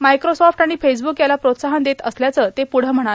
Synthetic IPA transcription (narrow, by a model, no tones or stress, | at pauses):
majkɾosɔfʈaɽ̃ifes̬bukjalapɾot̪saɦənd̪et̪əsljat͡sət̪epuɽ̤əm̤əɽ̃a